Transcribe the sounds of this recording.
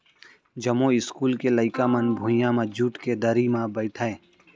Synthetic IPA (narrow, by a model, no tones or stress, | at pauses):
d͡ʒɐmoɪskuːlkeləɪkamɐnbʱũjãmãd͡ʒuːʈked̪əɾimãbəɪʈʰaː